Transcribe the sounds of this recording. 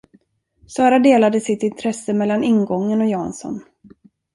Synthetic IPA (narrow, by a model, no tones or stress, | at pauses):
sɑːɾad̪eːlad̪əsɪt̪ɪnt̪ʰɾɛsːəmɛlːanɪnɡɔŋːənɔjɑːa̰nsɔ̰n